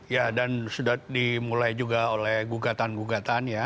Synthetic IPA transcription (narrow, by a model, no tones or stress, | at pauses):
jadansudadimulajd͡ʒuɡaolɛhɡuɡat̪anɡuɡat̪anja